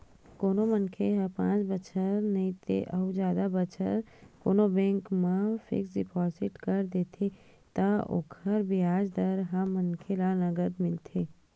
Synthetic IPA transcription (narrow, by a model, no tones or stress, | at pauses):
koːnomənkʰeɦɐ̃pãːt͡ʃbət͡ʃʰəɾnɐĩt̪ʰḛʔɐud͡ʒjaːd̪abət͡ʃʰə̰ɾ | koːnobɛ̃ːŋkmãfɪ̰ksɖɪpʰɔːsɪʈkəɾd̪eːt̪ʰe | t̪aʔʊ̰kʰəɾbʱiaːd͡ʒd̪əɾɦamənkʰelanɐɡəd̪mɪlt̪ʰeː